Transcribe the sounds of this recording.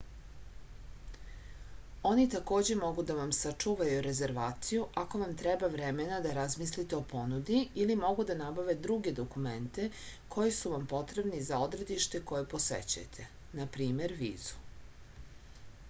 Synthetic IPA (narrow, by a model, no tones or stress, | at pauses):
o̞nit̪ako̞ːd͡ʑemo̞ɡud̪aʋamsat͡ʂuːʋajuɾe̞ze̞ɾʋaːt̪sijuʔako̞ʋamt̪ɾɛbaʋɾemenad̪aɾazmislit̪eo̞po̞nud̪iilimo̞ɡud̪anabaʋe̞d̪ɾuɡe̞d̪o̞kument̪e̞ | kʰo̞jisuʋampo̞t̪ɾe̞bnizao̞d̪ɾe̞d̪iʃt̪eko̞jepo̞sḛt͡ɕa̰jt̪ʰe̞ | napɾiːme̞ɾʋḭːz̥u̥